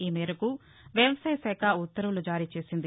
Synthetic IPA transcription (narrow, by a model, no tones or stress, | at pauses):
iːmɛːɾɐku | ʋjɐʋɐsaːjɐsɛːkʰaut̪ːɐɾɐʋlud͡ʒaːɾiːt͡ʃe̞ːsind̪i